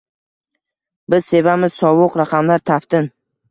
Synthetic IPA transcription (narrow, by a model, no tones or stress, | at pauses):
bɪz̥se̞vamɪz̥sɒvʊqɾaqʰɑmlaɾt̪ʰaft̪ʰɪn